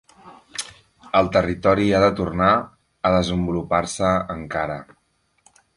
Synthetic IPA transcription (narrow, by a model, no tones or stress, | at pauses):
əlˠt̪ərit̪ɔɾiaðət̪urna | əðəzəmbuluparsəəŋkaɾə